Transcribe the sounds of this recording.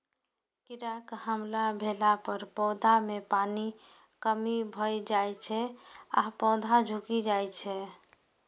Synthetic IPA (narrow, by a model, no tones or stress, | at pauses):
kiɾakhəmlabʱelapəɾpɔwd̪ʱamepani | kəmibʱəjd͡ʒajt͡ʃʰɛa̰pɔd̪ʱad͡ʒʱukid͡ʒajt͡ʃʰɛ